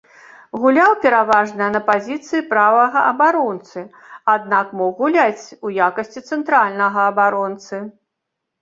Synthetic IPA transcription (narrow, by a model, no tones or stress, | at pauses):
ɣulʲawpʲɛɾavaʐnɐjɐnɐpazʲit̪sɨjipɾavɐɣɐʔɐbaɾɔnt̪sɨ | ad̪nakmɔɣulʲat͡sʲujakɐsʲt͡sʲit̪sɛnt̪ɾalʲnɐɣɐːbaɾɔnt̪sɨ